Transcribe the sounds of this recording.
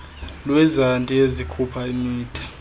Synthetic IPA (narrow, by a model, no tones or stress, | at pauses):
lwɛzantʼiezikʰupʰaimiːtʰi̥